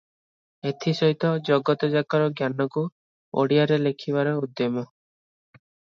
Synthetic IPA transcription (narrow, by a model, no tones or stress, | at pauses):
et̪ʰisɔɦit̪ɔd͡ʒɔɡɔt̪ɔd͡ʒakaɾɔɡjanɔku | o̰ɽiaɾelekʰiβaɾɔud̪ːɔmɔ